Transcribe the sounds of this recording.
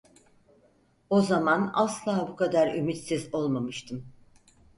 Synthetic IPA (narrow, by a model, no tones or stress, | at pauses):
o̞zamana̰slˠaːbukʰad̪aɾymit̪sizo̞lˠmamɯʃt̪ʰɯm